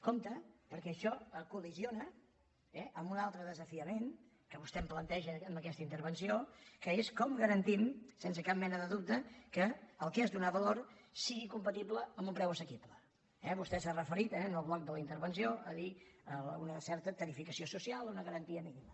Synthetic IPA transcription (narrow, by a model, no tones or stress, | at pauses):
komt̪əpəɾkɛəʃɔəkulizionə | ɛʔəmbunalˠt̪ɾəðəzəfiəmen | kəβust̪ɛmplənt̪ɛʒəːmbəkɛst̪əint̪əɾβənsiokəeskɔmɡəɾənt̪imsensəkap̚mɛnəðəðup̚t̪əkəːlˠkzðunaβəloɾrsiɣikumpət̪ibləəmbumpɾɛwəsəkiblə | ɛβust̪ɛsarəfəɾit̪ɛənəlˠβlɔk̚d̪ələint̪əɾβənsioʔəðiəunəsɛɾt̪ət̪əɾifikəsiosusialˠunəɣəɾənt̪iəminimə